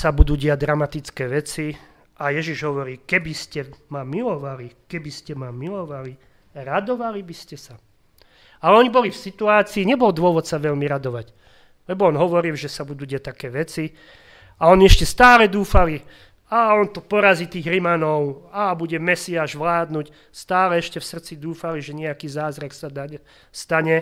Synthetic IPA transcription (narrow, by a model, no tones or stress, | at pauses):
sabud̪uːɟɛaɟ̚d̪ɾamat̪it͡skɛːʋɛt͡si | ajɛʒiʒɦɔʋɔɾiːkɛbiscɛmamilɔʋalikɛbiscɛmamilɔʋali | ɾad̪ɔʋalibiscɛsa | alɛɔɲibɔlifsit̪uaːt͡siːɲɛbɔld̪ʊɔʋɔt̪saʋɛʎmiɾad̪ɔʋac | lɛbɔɔnɦɔʋɔɾilʒɛsabud̪uɟɪɛt̪akɛːʋɛt͡si | aɔniɛʃcɛst̪aːlɛd̪uːfali | aːɔnt̪ɔpɔɾaziːt̪iːɣɾimanɔʊabuɟɛmɛsiaːʒʋlaːd̪nuc | st̪aːlɛɛʃcɛfsr̩t͡sid̪uːfaliʒɛɲɛakiːzaːzɾaksad̪aɛ | st̪aɲɛ